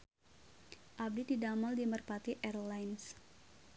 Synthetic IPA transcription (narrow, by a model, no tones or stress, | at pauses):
ʔab̚dididamaldimərpat̪iʔɛrlajns